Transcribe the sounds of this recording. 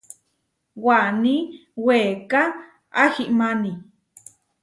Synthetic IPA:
wani | weːka | ahiʔmani

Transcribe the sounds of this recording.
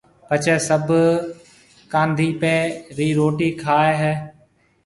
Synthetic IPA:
pət͡ʃʰɛːsəb | kãːnd̪ʱiːpẽːɾiːɾoːʈiːkʰaːeːɦɛː

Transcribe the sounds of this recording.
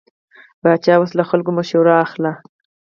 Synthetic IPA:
bɑt͡ʃɑwaslaxalkomʊʃoɾɑːxla

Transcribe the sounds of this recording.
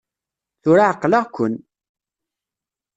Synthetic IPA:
θʊɾaʕəqːlaʁkʷːən

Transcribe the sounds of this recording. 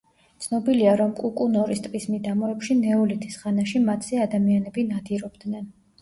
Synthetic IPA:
t̪sʰnɔbiliaɾɔmkʼukʼunɔɾist̪ʼpʼismid̪amɔɛpʃinɛɔlit̪ʰi̥sχanaʃimat̪ʰzɛad̪amianɛbinad̪iɾɔbd̪nɛn

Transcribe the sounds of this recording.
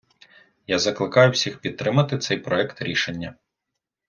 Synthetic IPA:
jazɐklˠɪkɑjʊwsʲixpʲid̪̚t̪ɾɪmɐt̪ɪt̪sɛjpɾɔɛkt̪ɾʲiʃenʲːɐ

